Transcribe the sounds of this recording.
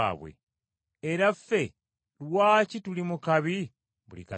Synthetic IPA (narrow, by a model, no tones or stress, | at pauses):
a̰ːβwḛ | eɾafːe̞ | lwaːcitulimukaβi | βṵlḭka